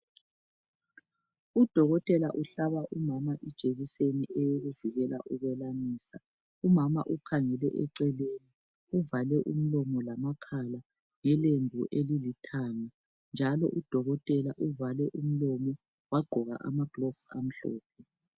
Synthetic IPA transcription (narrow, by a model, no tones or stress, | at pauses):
ud̥ʱɔɣɔtʼɛlaʔuɬaβaʔumamaʔid̥ʒ̥ʱeɣiseniʔɛjoɣuviɣɛla̰ʔuɣɛlaniːsa | umamaʔukʰaŋɛlɛ̰ʔɛǀɛleːni | uvalɛʔum̩lɔmɔlamakʰala | ŋɛlembʱuʔelilitʰaːŋa | nd͡ʒʱalɔ̰ʔud̥ʱɔɣɔtʼɛlaʔuvalɛʔum̩lɔmɔ | waɡ͡ǃʱɔɣa̰ʔa̰maɡ̥lɔksa̰m̩ɬɔ̰ːpʰɛ